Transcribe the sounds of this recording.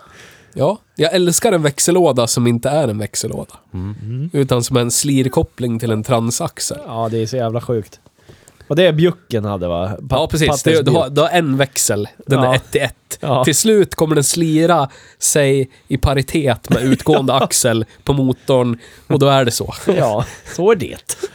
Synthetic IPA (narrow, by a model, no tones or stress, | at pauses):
jɑː | jɑːɡɛlskaɾɛnvɛksəloːd̪asɔmɪnt̪əæɾɛnvɛksəlʔo̰ːd̪a | ʉ̟ːt̪ansɔmæɾɛnsliːɾkʰɔpːlɪŋt̪ʰɪlɛnt̪ʰɾansaksə̰lɑːd̪ɛːsɔjæːvlaɧʉ̟ːkt̪ | ɔd̪ɛbjɵkːənha̰d̪ːəva̰pʰɑːpʰɾɛs̬iːsd̪ɛd̪ɛhaɾd̪ɛaɾɛnvɛksəld̪ɛnɛt̪ʰːɪɛt̪ːʰɪlslʉ̟ːt̪kʰɔmːəɖɛnsliːɾa | sɛj | ɪpʰaɾɪt̪ʰeːt̪mɛʉ̟ːt̪ɡoːənd̪əaksəlpʰɔmuːt̪ːɔɳ | ɔd̪ɔæɖɛsɔ̰jːsɔæɖɛ̰t̪